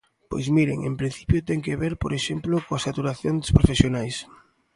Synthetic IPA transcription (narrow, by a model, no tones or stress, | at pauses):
po̰jzmiɾḛŋḛmpɾin̟θipjot̪ɛŋkeβeɾpoɾeʃemplokoasat̪uɾaθjond̪espɾofesjonajs